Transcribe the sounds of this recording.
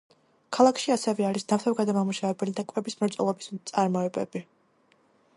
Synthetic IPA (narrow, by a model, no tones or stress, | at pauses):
kʰalˠakʰʃiasɛvɛaɾisnaft̪ʰɛvɡad̪amamuʃavɛbɛlid̪akʼwɛbismɛɾt̪sʼɔlˠɔbist̪sʼaɾmɔɛbɛ̰bi